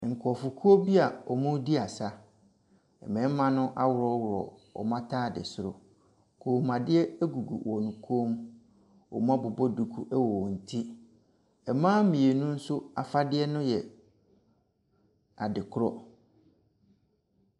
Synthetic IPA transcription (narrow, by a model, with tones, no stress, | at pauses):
ŋ̩˨kʰɔ˨fʊ˨kʰu˦o˦bi˦a˨ɔ˨mũ˦di˦a˨sa˦ | ɛ̰˨mɛ̃˨˦m˦mã˦nʊ̃˦ʔa˦wʊ˨ɾɔ˦wʊ˨ɾɔ̰˨ɔ̰˨mã˦tʰaː˦˨dɪ̰˨sʊ˦ɾʊ˨ | kʰo˨mã˨dɪ˦ɛ˦æ˦ɡu˨ɡṵ˨wɔ˨nũ˨kʰoː˦m | ɔ̰˨mũ˦a˦bʊ˨bɔ˦du˨kʰu˦ʔɛ˦wɔ˨n̩˨tʰi˦ | ɛ˨mãː˦mĩ˨e˨nũ˦n̩˦sʊ˦a˨fa˦dɪ˦ɛ˦nʊ̃˦jɛ˨ | a˨dɪ˨kʰʊ˦ɾɔ̰˦